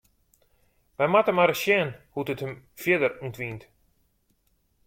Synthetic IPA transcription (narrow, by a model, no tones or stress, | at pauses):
ʋɛjmatəmaɾəsjɛnhutəthəm | fjɪdəruntʋint